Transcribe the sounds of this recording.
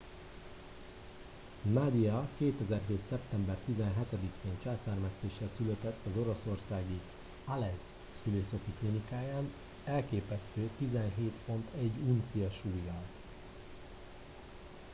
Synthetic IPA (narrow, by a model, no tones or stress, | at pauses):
mad̪iɒkeːt̪ɛzɛrɦeːt̪sɛpt̪ɛmbɛrt̪izɛnɦɛt̪ɛd̪ikʰeːnt͡ʃaːsaːrmɛt̪seːʃːɛlsylɛt̪ɛt̪ːɒzo̞ɾo̞so̞rsaːɡi | alɛt̪s | syleːsɛt̪iklinikaːjaːn | ɛlkeːpɛst̪øːt̪izɛnɦeːt̪fo̞nt̪ɛɟːunt̪sijɒʃuːjːɒl